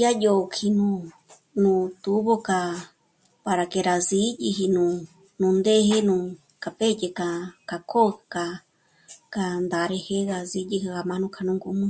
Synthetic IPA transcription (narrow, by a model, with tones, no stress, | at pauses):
ja˦jo˧kʰi˧nũ˧ | nũ˧t̪u˦βo˧ka˧ | pa˧ɾa˨ke˧ɾa˨zi˦ji˧ɦi˧nũ˧ | nũ˧nd̪e˦ɦe˦nũ˧ | ka˨pe˦je˧ka˧ka˧kʰo˦˧ka˧ | ka˧nd̪a˨ɾe˧he˦ɣa˧zi˧˦ji˧ɦi˧ɣa˧mã˧˦nũ˧˦kʰa˧nũ˧ŋɡu˧mɨ̃˦